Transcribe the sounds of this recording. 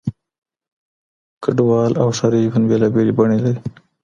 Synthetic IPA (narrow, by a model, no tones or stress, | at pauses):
kaɖwɑːlʔawʂaɾifanbelɑbelibaɳelaɾi